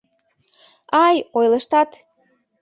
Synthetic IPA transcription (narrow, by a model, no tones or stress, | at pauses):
ɑjojləʃt̪ɑt̪